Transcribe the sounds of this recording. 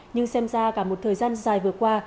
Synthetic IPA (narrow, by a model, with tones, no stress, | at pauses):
ɲɨ˧ŋsɛ˧mzaː˧kaː˧˩mo˨˩t̚t̪ʰəː˨˩jzaː˧nzaː˨˩jvɨ˨˩əkwaː˧